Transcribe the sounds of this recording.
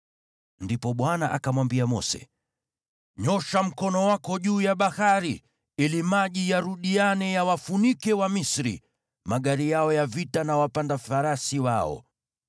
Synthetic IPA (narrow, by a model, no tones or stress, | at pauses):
ndipɔɓwanaʔakamwambiamɔ̰sɛ̰ | ɲɔʃam̩kɔnɔwakɔʄuːjaɓahaɾi | ilimaʄijaɾuɗianɛjawafunikɛwamisɾḭ | maɠaɾijaɔjavitanawapandafaɾasiwaɔ̰